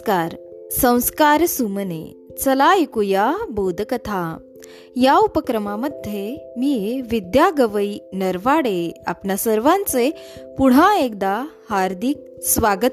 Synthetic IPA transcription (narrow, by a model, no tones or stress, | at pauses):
kaɾsə̃w̃skaɾsumənḛ | t͡səlaikujabod̪ʱkət̪ʰa | jaupəkɾəmaməd̪ʱjemiːʋid̪jaɡəʋəinəɾʋaɽea̰pnjasəɾʋãnt͡se | puɽ̤ãek̚d̪a | haɾd̪ʱik̚sʋaɡət̪